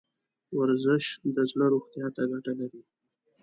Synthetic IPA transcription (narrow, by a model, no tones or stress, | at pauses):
waɾzɪʃd̪əzləɾoxt̪jɑt̪aɡaʈalaɾi